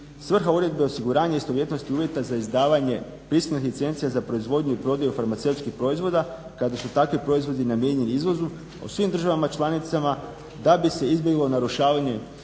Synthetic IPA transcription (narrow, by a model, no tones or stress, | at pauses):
sʋr̩xauɾe̞d̪̚be̞o̞siɡuɾaːɲaist̪oʋje̞t̪no̞st̪iuːʋje̞t̪azaizd̪aːʋaɲe̞ | pɾist̪unixlʲit̪se̞nt̪sijazapɾo̞izʋo̞d̪ɲuipɾo̞d̪ajufaɾmat̪se̞wt̪skixpɾo̞izʋo̞d̪a | kad̪asut̪akʋipɾo̞izʋo̞d̪inamje̞ɲe̞niizʋo̞zu | o̰sʋimd̪r̩ʒaʋamat͡ʃlˠanit̪sama | d̪abise̞izbje̞ɡlˠo̞naɾuʃaːʋaɲe̞